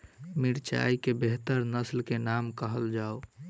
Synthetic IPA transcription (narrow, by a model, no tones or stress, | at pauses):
miɾt͡ʃa̰ikebeɦt̪əɾnəslkenamkəɦəld͡ʒao